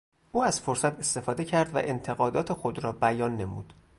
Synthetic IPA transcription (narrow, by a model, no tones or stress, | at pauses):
ʔuːæz̥fo̞ɾsæt̪ʰe̞st̪e̞fɒːd̪ecʰæɾd̪væ̰ʔent̪ʰe̞ɣɒːd̪ɒːt̪ʰexod̪ɾɒːbæjɒːnːe̞muːd̪̥